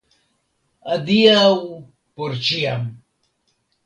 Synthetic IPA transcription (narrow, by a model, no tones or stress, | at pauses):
ad̪iaw | puɾt͡ʃiam